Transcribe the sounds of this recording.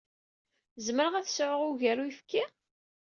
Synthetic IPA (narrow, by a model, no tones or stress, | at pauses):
zməɾəʁæθsʕəʁʊʝæɾuifkːi